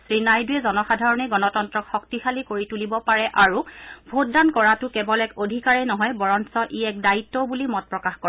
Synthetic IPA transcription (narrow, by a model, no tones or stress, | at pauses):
sɹinajduɛzɔnɔxadʱaɹɔnɛɡɔnɔtɔntɹɔkxɔk̚tixalikoɹitulibɔpaɹɛʔaɹubʱot̚dankɔɹatʊkɛbɔlɛkodʱikaɹɛnɔɦɔjbɔɹɔnsɔʔiɛk̚daitːɔbulimɔt̚pɹɔkaxkɔɛ